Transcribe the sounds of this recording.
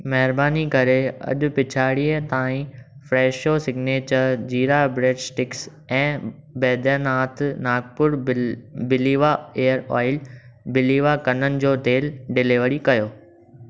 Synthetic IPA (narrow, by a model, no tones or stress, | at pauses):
mɛɦɪɾbaːnikɐɾeɐ̰ʄʊ̆pɪt͡ɕʰaːɽiːət̪aːĩ | fɾeːʃoːsɪɡneːt͡ɕəɾd͡ʑiːɾabɾeːɖsʈɪks | ɛ̃ː | bɛːd̪ənaːt̪naːɡ̚pʊɾbɪliːʋaeːəɾɔ̰ːɪl | bɪliːʋakɐnənɪ̆d͡ʑoːt̪eːlɖɪleʋəɽikɐjoː